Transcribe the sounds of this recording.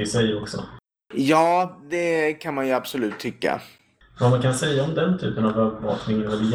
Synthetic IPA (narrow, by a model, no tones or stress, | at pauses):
ɪsɛjɾɔksɔ̰ | jɑːd̪ɛkʰanmanjɵab̥sɔlʉ̟ːt̪ʰːʏkːa̰ | vamankʰansɛjːaɔmd̪ɛnt̪ʰyːpənavœːvəvɑ̰ːknɪŋənvad̪ɪ